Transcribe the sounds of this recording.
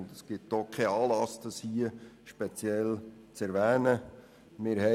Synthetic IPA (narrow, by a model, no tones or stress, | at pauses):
ndəsɡ̥ɪt̚d̥okʰɛɑːlɑsd̥ɑshiəʃpet͡sjɛl | t͡sɛɾʋæːnə | mɪɾhɛ